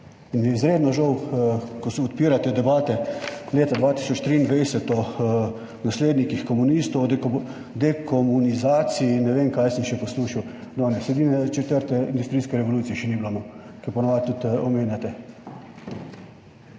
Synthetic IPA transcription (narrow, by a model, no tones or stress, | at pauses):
injɛizɾeːd̪nɔʒɔwkɔsɔt̪̚piːɾat̪ɛd̪ɛbaːt̪ɛleːt̪ad̪ʋaːt̪i̥sɔt͡ʃt̪ɾiːnd̪ʋɛjsɛt̪ɔ | nasleːd̪nikixkɔmunist̪ɔwd̪ | d̪ɛkʰɔmunizaːt̪sinːɛʋeːmkajsəmʃɛpɔsluːʃiwd̪ɔːnɛsɛd̪inɛt͡ʃɛt̪əɾt̪ɛind̪ust̪ɾiːskɛɾɛʋoluːt̪sijɛʃɛniblonɔkɛɾpɔnɔʋat̪ut̪ɔmeːnjat̪ɛ